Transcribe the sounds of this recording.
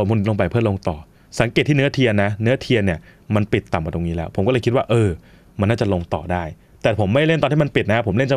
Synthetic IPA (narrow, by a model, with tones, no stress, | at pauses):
o˨˩mʰu˧n˧lo˧ŋpa˧˩jpʰɯ˥˩ɐlo˧ŋt̪ɔː˨˩ | sa˩˦ŋke˨˩t̪ʰːiː˥˩n˦˥ɐt̪ʰi˧ənːa˦˥nɯ˦˥ɐt̪ʰi˧ənːi˥˩ | ma˧npi˨˩t̪ːa˨˩mka˨˩t̪o˧ŋniː˦˥lɛː˦˥wpʰo˩˦kɔ˥˩ɤ˧ki˦˥t̪̚waː˥˩ʔɤː˧ | ma˧nːaː˥˩t͡ɕa˨˩lo˧ŋt̪ɔː˨˩daː˥˩j | t̪ɛː˨˩pʰo˩˦mːa˥˩jle˥˩nt̪ɔː˧nt̪ʰiː˥˩ma˧npi˨t̪̚na˦˥pʰo˩˦mle˥˩nt͡ɕa˧